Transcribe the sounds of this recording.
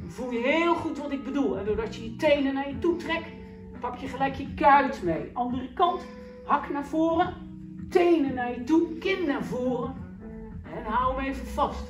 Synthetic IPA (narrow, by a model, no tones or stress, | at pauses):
vulˠjəɦɪːlˠχutʋɔtɪɡ̚bədulˠɦɛdoːrdɔtjəjətejnənarjətutrɛk | pɑkʰjəχəlɛjkjəkaɥtmejʔɑndərəkɑnt | hɑknav̥oːrə | tejnənarjətukɪnnarvoːrə | ɛnɦawməeːvənvɑst